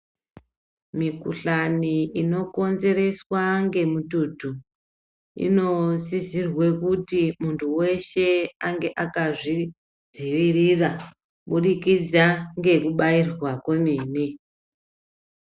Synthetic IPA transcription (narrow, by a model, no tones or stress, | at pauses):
mikuɬaniino̞ko̞nze̞ɾe̞swaŋɡe̞mututu | ḭno̞zizirwe̞kutimuntʰuwe̞ʃe̞aŋɡe̞ʔakaʐi | d͡ziʋirira | ɓuɗikid͡zaŋɡe̞kuɓairwakomiːne